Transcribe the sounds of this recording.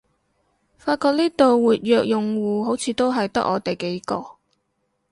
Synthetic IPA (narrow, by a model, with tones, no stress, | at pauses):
faː˧t̚kɔː˧k̚niː˥t̪o˨wwuː˨t̚jœː˨˧k̚jʊ˨ŋwuː˨ɦo˨˥wt͡sʰiː˨˧t̪o˥wɦɐ˨jt̪ɐ̰˥k̚ʔɔː˨˧t̪e˨jke˨˥jkɔː˧